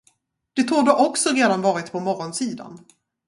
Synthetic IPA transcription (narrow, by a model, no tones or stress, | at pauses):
d̪̥ɛt̪ʰuːdoːʔɔksɔɾeːd̪anvɑːɾɪt̪pʰɔmɔɾɔnsiːd̪a̰n